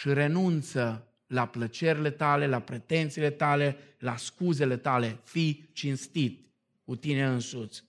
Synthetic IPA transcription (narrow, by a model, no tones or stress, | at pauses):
ʃiɾe̞nunt̪sə | laplət͡ʃe̞ɾile̞t̪ale̞lapɾet̪e̞nt̪sile̞t̪ale̞laskuze̞le̞t̪ale̞fit͡ʃinst̪it̪̚ | kut̪ineɨnsut̪s